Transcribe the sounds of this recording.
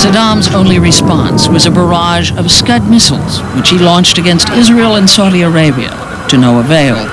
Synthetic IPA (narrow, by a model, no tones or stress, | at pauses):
sɨdɑ̃mzõʊ̃nliɹɨspɑ̰̃nswʌzɨbə˞ɑʒʌv̥skʌd̚mɪsl̩ˠz̥wɨt͡ʃhilɔ̃nt͡ʃtɨɡɛ̃nstɪzɹil̩ˠə̃nsaʊɾiə˞eɪbiɨ̰ | ɾɨnoʊəveɪlˠ